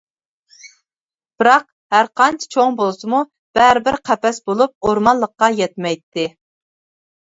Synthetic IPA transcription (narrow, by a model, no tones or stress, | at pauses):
b̥ɨɾɑq | hæɾqʰɑnt͡ʃʰɪ̥t͡ʃʰoŋbolˠsɨmu | b̥æɾɪbɪɾqʰæpɛsbolˠup̚oɾmɑnlːˠəqːɑjɛt̪̚mɛjt̪ʰːɪ